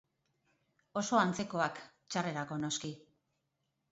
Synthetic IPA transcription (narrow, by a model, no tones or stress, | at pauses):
o̞so̞ant͡se̞ko̞ak | t͡ʃare̞ɾako̞no̞ski